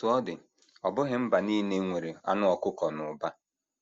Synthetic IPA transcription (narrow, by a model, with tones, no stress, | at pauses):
ʊ˨˦ɔ˦dɪ˨ | ɔ˨bʊ˦ɦɪ˨˦m̩˦ba˨niː˦ne˦ŋʷe˨ɾe˨a̰˦nʊ˦ɔ˨kʊ˦kɔ˨nʊ˨ba˦